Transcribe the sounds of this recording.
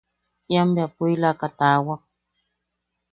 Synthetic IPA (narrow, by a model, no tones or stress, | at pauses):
jambjapuilakat̪awa